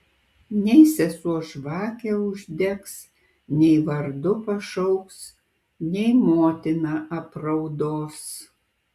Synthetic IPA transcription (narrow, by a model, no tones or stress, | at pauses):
nʲɛɪsʲɛsuɔʃʋɑːkʲɛːʊʒʲd̪ʲɛks | nʲɛɪʋɐɾd̪ʊpɐʃɐʊks | nʲɛɪmoːt̪ʲɪnɐʔɐpɾɐʊd̪oːs